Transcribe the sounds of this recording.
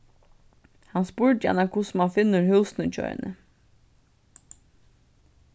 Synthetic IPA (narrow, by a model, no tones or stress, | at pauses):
hɑnspuːɹdjæ̰ɳəkʰʊsmɑnfɪnəɹhʉːsn̩əc͡çœ̰ʏ̰nʔə̰